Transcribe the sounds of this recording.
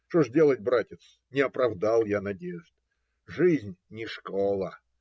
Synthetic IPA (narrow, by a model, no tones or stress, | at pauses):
ʂt̪oʐdʲe̞lˠət̚ʲbɾatʲɪt̪s | nʲɪɐpɾɐvd̪alˠjanɐdʲeʐd̪ | ʐɨzʲnʲnʲɪʂkolˠə